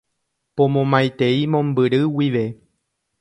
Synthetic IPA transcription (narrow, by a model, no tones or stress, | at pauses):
põmõmãjt̪e̞imõ̞mbɨɾɨwiʋe̞